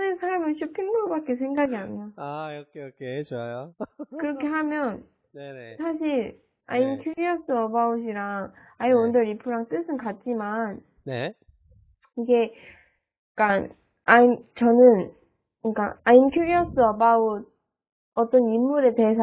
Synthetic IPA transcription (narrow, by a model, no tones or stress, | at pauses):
nɯsʰaɾmɯɭɕʰupʰindubak͈esʰe̞ŋɡaɡiaɲioajʌkʰejʌkʰet͡ɕoajokɯɾʌkʰe̞ɦamjʌn | esʰaɕ̬ʰiɾ | ainkʰjuɾiʌs͈ɯʌbauɕ̬ʰiɾaŋ | aiʌndʌɾipʰɯɾaŋt͈ɯsʰɯnkat̚t͡ɕ͈iman | ne | iɡe̞ | k͈a | aimt͡ɕʌnɯn | ik͈a̰ainkʰjuɾiʌs͈ɯʌbaod̚ | ʌt͈ʌnimːuɾe̞teesʰ